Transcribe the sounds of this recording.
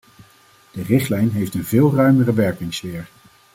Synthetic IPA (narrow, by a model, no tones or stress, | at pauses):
d̥ərɪχtlɛjnɦejftənvɪːlˠrœɥmərəʋɛɹkɪŋsfɪːɹ